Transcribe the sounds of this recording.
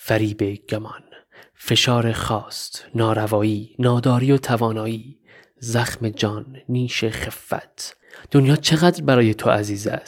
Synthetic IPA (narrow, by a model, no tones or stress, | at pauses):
fæɾiːbe̞ɟ̥æmɒn | fe̞ʃɒːɾexɒːst̪nɒːɾævɒːiːnɒːd̪ɒːɾiːot̪ʰævɒːnɒːiː | zæxme̞d͡ʒɒːnːiːʃeχefːæ̰t̪ʰ | d̪̥onjɒːt͡ʃʰe̞ɣæd̪ɾbæɾɒːje̞t̪ʰoʔæziːzæ̰st̪